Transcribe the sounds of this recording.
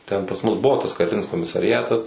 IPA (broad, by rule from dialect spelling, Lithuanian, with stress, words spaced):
ˈtʲɛn pɐs ˈmʊs ˈbʊʋoː tɐs kɐˈrʲɪnʲɪs koːmʲɪsɐrʲɪˈɑːtɐs